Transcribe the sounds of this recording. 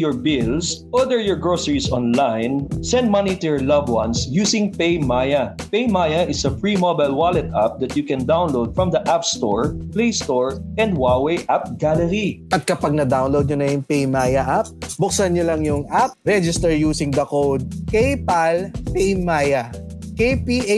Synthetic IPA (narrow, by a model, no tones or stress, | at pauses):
jɔɹbɪlsʔɔd̪əɹjɔɹɡɹosəɹisɔ̃nlajnsɛ̃nd̪̚mɐnit̪ʊjɔɹlʌvwɐ̃nsjuːsɪ̃ŋpejmajɐpejmajɐʔɪsɐfɹimobajlwalɛt̪ap̚d̪ɐt̪jʊkɛ̃nd̪aw̃nlowd̪̚fɹɔ̃md̪ɐʔapst̪o̰ɹplejst̪oɹʔɛ̃nd̪wawejʔap̚ɡ̥alɛɾiʔɐt̪̚kɐpaɡ̚nɐd̪awnlowd̪̚ɲonɐjʊŋpejmajɐʔap̚bʊk̚sɐnjolɐŋjʊŋʔap̚ɾɛd͡ʒɪst̪ɛɹjuːsɪ̃ŋd̪ɐkowd̪̚kejpalpejmajɐkejpi